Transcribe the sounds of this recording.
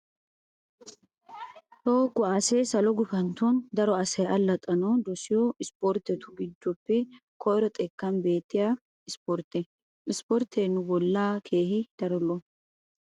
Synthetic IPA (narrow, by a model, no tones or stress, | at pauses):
toːɡɔaːseːsɐlɔɡʊfɐnt̪ond̪ɐɾɔɐsɐjɐlːɐt̪ʼɐnɔd̪ɔsɪjɔɪspɔɾt̪ːɛt̪ʊɡɪd̪ːɔpːɛ | kʰɔjɾɔt̪ʼɛkːɐmbe̞ːt̪ːɪja | ɪspɔɾt̪ɛ | ɪspɔɾt̪ʰeːnːʊbɔlːaːkʰeːhɪd̪̥ɐɾɔlɔ